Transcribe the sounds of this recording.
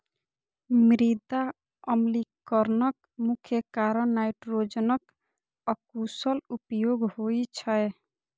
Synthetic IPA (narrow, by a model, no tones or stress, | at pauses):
mɾid̪a | əmlikəɾnʌk | mukʰjəkaɾənːajʈɾod͡ʒənʌk | əkusəlupjoɡhojt͡ʃʰəe